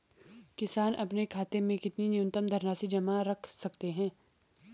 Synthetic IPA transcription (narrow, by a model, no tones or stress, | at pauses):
kɪsaːnʔɐpnekʰaːt̪emẽkɪt̪ninɪjʊ̃nt̪əmd̪ʱɐɾnaːsid͡ʒɐmaɾɐkʰsɐkt̪eɦɛ̃ː